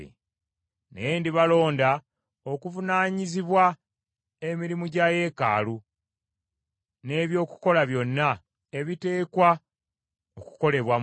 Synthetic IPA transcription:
ḛ | nḛjendiβalo̞ːnda | o̞kuvunaːɲiziβwa | e̞miɾimuɟaje̞ka̰ːlu | ne̞ːβjo̞ːku̥ko̞laβjo̞nːa | e̞βite̞ːkwa | oku̥ko̞le̞βwa

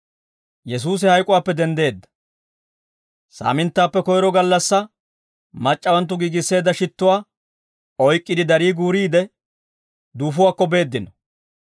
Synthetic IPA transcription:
jɛs̬uːs̬ɪhɐjkʼʊwaːpːɛd̪ɛnd̪e̞ːd̪ːɐ̥ | sa̰ːmɪnt̪ːaːpːɛkɔjɾɔɡɐlːɐsːɐ | mɐt͡ʃʼːɐwɐnt̪̬ːʊɡiːɡɪsːe̞ːd̪ːɐʃɪt̪ːʊwaː | ɔjkʼːɪd̪ɪd̪ɐɾiːɡuːɾiːd̪ɛ | d̪uːfʊwaːkːɔbe̞ːd̪ːɪnɔ̥

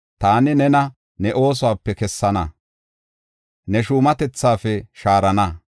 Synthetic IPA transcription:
t̪aːnɪnɛnɐ | nɛʔo̞ːs̬ʊwaːpːɛkɛsːɐnɐ | nɛʃuːmɐt̪ɛt͡sːaːfɛʃaːɾɐnɐ

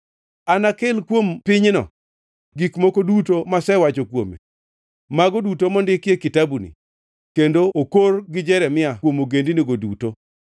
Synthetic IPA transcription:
anakɪlkwompɪɲnɔ̰ | ɡikmokodutomasɛwat͡ʃokwo̰mḛ | maɡɔdutomɔndɪkjekitabunḭ | kendookorɡɪd͡ʒɛɾɛmɪawomoɡendiniɡoduto

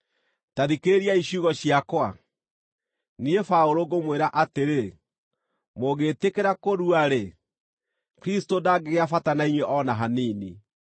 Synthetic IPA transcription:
taðikeɾiaiɕuɣɔɕjakwa | niefaoɾoɣomweɾaʔateɾe | moɣeːtekeɾakoɾuaɾe | kɾistodaɡeɣeafatanaiɲweʔɔnaɦanini

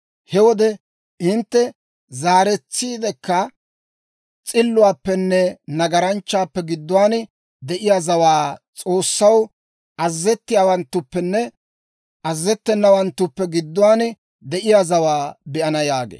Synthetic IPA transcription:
hɛwɔd̪ɛ | ɪnt̪ːɛ | zaːɾɛt͡sːiːd̪ɛkːɐ | t͡sʼɪlːʊwaːpːɛnːɛnɐɡɐɾɐnt͡ʃːaːpːɛɡɪd̪ːʊwaːn | d̪ɛʔɪjazɐwaːt͡sʼo̞ːsːɐw | ʔɐzːɛt̪ːɪjaːwɐnt̪ːʊpːɛnːɛ | ʔɐzːɛt̪ːɛnːɐwɐnt̪ːʊpːɛɡɪd̪ːʊwaːn | d̪ɛʔɪjazɐwaːbɛʔɐnɐjaːɡḛː

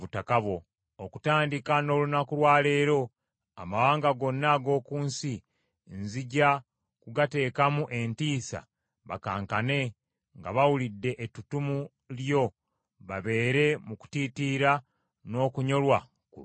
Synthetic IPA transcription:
βutakaβwo̞ | okutaːndikano̞ːlunakulwaːle̞ːɾo̞ | a̰mawaːŋɡaɡo̞nːaɡo̞ːkuːnsi | nziɟa | kuɡate̞ːkamuʔe̞ntiːsa̰ | βa̰kaːŋkane̞ | ŋɡa̰βawulidːe̞ʔetutumu | ljo̞ | βaβe̞ːɾe̞muku̥titiɾa | no̞ːkuɲo̞lwa | ku

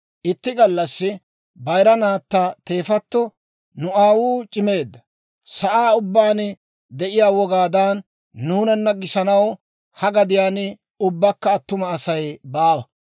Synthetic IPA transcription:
ʔɪt̪ːɪɡɐlːɐsːɪ | bɐjɾɐnaːt̪ːɐt̪e̞ːfɐt̪ːɔ | nʊaːwuːt͡ʃʼɪme̞ːd̪ːɐ | sɐʔaːʊbːaːn | d̪ɛʔɪjaːwɔɡaːd̪aːnː | uːnɐnːɐɡɪsɐnɐw | hɐɡɐd̪ɪjaːn | ʊbːɐkːɐːt̪ːʊmɐːsɐjbaːwɐ

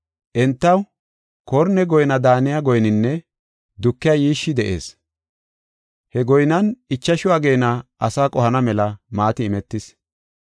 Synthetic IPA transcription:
ʔɛnt̪ːɐw | kɔɾnɛɡɔjnɐd̪aːnɪjaɡɔjnɪnːɛ | d̪ʊkːɪjajiːʃːɪd̪ɛʔḛːs | hɛɡɔjnɐnɪt͡ʃːɐʃʊwaːɡe̞jnɐʔɐsaːkʼɔhɐnɐmɛlɐmaːt̪ɪːmɛt̪ːɪs

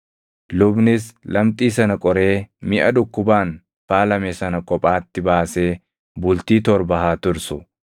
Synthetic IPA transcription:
lʊbnɪslɐmt̪ʼiːsɐnɐkʼɔɾe̞ːmɪʔɐd̪ʊkːʊbaːn | faːlɐmeːsɐnɐkʼɔpʼaːt̪ːɪbaːse̞ː | bʊlt̪iːt̪ɔɾbɐɦaːt̪ʊɾsʊ

